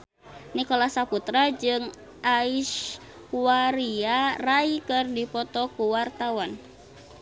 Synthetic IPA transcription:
nikɔlasaput̪ɾad͡ʒɨŋ | ʔaiʃ | waɾiaraikɨrdipɔt̪ɔkuwart̪awan

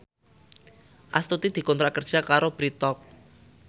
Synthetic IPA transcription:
ʔast̪ut̪id̪̥i̤kɔnt̪ɾakərd̥ʒ̥a̤kaɾob̥ɾit̪ɔk̚

